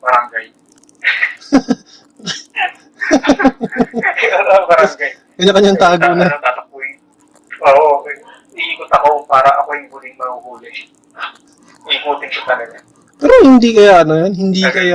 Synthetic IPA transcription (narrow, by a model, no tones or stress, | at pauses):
bɐɾaŋɡaj | bɐɾaɡaj | ɡɐɲakɐɲːaŋt̪aːɡ̪onɐɐt̪at̪ɐk̚ojɪ | ʔoːʔo | ɪikot̪ɐkopaːɾɐʔɐkojʊŋbuːlɪŋmɐɡuɡuːlɪ | ɪkuːt̪ɪŋkʊt̪ɐlɐɡɐ | pɛːɾohɪnd̪ikɐjaʔɐnojanhɪnd̪iːkɐja